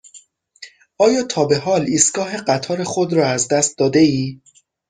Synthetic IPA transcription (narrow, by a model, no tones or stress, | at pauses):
ɒːjɒːt̪ʰɒːbe̞ɦɒːliːst̪ɡ̥ɒːɦe̞ɢæt̪ʰɒːɾe̞xo̞d̪ɾɒːæzd̪æst̪̚d̪ɒːd̪e̞iː